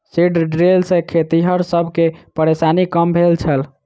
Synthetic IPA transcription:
siɖɖɾelsẽkʰet̪iɦəɾsəbʱkepəɾesanikəmbʱelt͡ʃʰəl

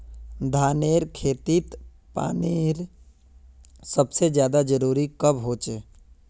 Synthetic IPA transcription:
d̪ʱaːneːɾkʰeːt̪it̪ | pa̰ːneːɾ | səbsed͡ʒjaːd̪ad͡ʒəɾuːɾikəbɦoːt͡ʃe

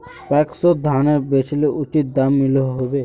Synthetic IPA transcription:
pɛksɔd̪ʱaneɾbet͡ʃʰleʔut͡ʃit̪̚d̪amːiloɦɦobe

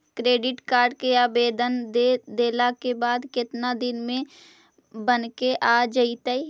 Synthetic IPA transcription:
kɾeːɖɪʈkaːɾɖkeaːbeːd̪əned̪eːlakebaːd̪kɪt̪nad̪ɪnmẽ | bənkeʔaːd͡ʒəit̪əi

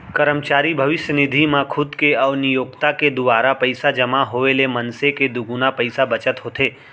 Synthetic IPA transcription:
kəɾəmt͡ʃaɾibʱəʋɪʃjənɪd̪ʱimãkʰʊd̪keəʋnijoːɡt̪aked̪ʊʋaɾapəjsad͡ʒəmaɦoʋelemənseked̪ʊɡunapəjsabət͡ʃət̪ɦot̪ʰe

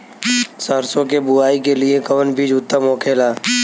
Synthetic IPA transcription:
səɾsõkebʊaːik̬elɪekɐʋənbʱid͡ʒuːt̪ːamõːkʰeːlaː

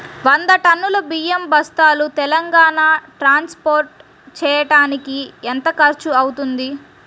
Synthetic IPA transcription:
ʋɐnd̪ɐʈɐnːulɐbiːjembɐst̪aːlut̪ɛlɐŋɡaːnaːʈɾaːnspoːɾʈ̚ | t͡ʃɛːjɐʈaːnikient̪ɐkɐɾt͡ʃuɐwut̪und̪i

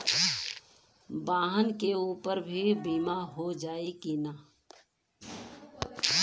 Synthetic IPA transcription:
baːɦənkeuːpəɾbʱibiːmaɦod͡ʒaːekina

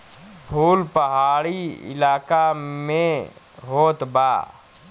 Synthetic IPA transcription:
bʱuːlpɐɦaːɾiɪ̰laːkamẽ | ɦoːt̪ba̰ː

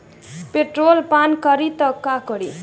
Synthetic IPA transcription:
peʈrolpankʌɾit̪ʌkakʌɾi

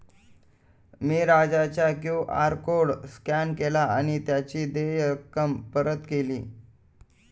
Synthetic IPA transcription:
miːɾad͡zat͡ɕjakjuʔa̰ɾkoɽskænkelaaɽ̃it̪jat͡ɕiːd̪ejəkəmpəɾət̪kelḭː

